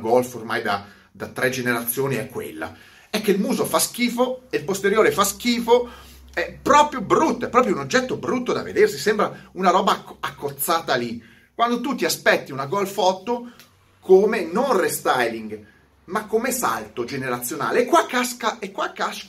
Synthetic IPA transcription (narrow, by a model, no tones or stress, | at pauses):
ɡɔlformajd̪a | d̪at̪ːɾʔɛd͡ʒeneɾat̪sːjoːniɛkːwḛlːa̰ | ɛkːeilmuːzofask̟iːfoeilpost̪eɾjoːɾefask̟iːfo | ɛpɾɔːpɾjobɾut̪ːoɛpːɾɔːpɾjounod͡ʒːɛt̪ːobɾut̪ːod̪a̰vḛd̪ersisɛmbɾaunaɾɔːbaakːot̪sːaːt̪ali | kwand̪ot̪ut̪iaspɛt̪ːiunaɡɔlfɔt̪ːo | kʰomenonrest̪ajliŋɡ | makːomesa̰lt̪od͡ʒeneɾat̪sːjona̰ːlekːwakːaskaekːwakːaʃ